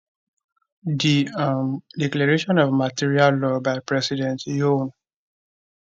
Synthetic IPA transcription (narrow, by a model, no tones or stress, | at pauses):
diamdɛklaɹeʃɔ̃nɔvmatiɹialːɔbaɪpɹɛsidɛ̃ntjon